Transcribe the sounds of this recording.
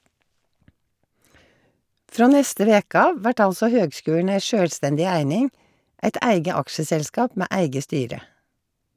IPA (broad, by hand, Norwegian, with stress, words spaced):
ˈfɹoː ˈnɛstə ˈʋeːk ˈɑːʋ ˈʋæʈ ˈɑlsɔ ˈhøːɡˌskʉːɳ̩ ˈæɪ ˈʃøːlˌstɛndɪ ˈæɪnɪŋ ˈʔæɪt ˈæɪɡə ˈɑkʃəsɛlˌskɑːp ˈmeː ˈæɪɡə ˈstyːɾə